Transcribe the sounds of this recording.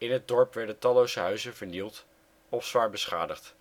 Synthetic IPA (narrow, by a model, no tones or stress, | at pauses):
ɪnɦəd̚dɔɹpʋɛɹdətɑlowzəɦœɥzənvəɹnilˠt | ɔfsʋaːɹbəsχa̰ːdəχt